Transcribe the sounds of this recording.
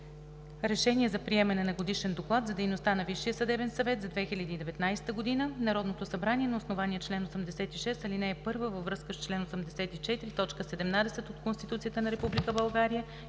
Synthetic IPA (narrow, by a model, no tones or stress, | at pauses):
ɾɛʃɛniɛzɐpɾiɛmɛnɛnɐɡod̪iʃɛnd̪oklˠat̪zɐd̪ɛjnost̪anɐviʃːijəsɐd̪ɛvɛnsɐvɛt̪zɐd̪vɛxilʲəd̪iːd̪ɛvɛt̪najsɛ̥t̪əɡod̪inənɐɾɔd̪not̪osɐbɾanʲiɛnɐosnovaniɛt͡ʃlɛnosəmd̪ɛsɛt̪iʃɛst̪ɐlinɛːpɤɾvəvəvːɾɤskəst͡ʃlɛnosəmd̪ɛsɛt̪it͡ʃɛt̪iɾit̪ɔt͡ʃkəsɛd̪ɛmnad̪ɛsɛt̪ot̪konst̪it̪ut̪sijət̪ənɐɾɛpublikəbɐlˠɡaɾijə